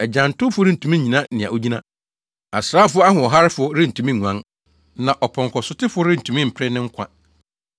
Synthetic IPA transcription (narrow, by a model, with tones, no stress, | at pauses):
ɛ˨d͡ʑã˨n̩˨tʊ˦fʊ˦ɾɪ˦n̩˨tʰũ˨mĩ˦ɲĩ˨nã˦nɪ̃˨a̰˨o˦d͡ʑi˦nã˦ | a˨sɾaː˦fʊ˦ɔ˦a˦ɦʊ̃˨ɔ˨ɦa˦ɾɪ˦fʊ˨ɔ˦ɾɪ̃˦n̩˨tʰũ˨mĩ˦ŋũ˨ã˨˦n | nã˨ʔɔ˨pʰɔ̃˨ŋkʰɔ˨sʊ˦tɪ˦fʊ˨˦ɔ˦ɾɪ̃˦n̩˨tʰũ˨mĩ˦m̩˨pʰɾɛ˦nɪ̃˦ŋ̩˦kʷʰa̰˦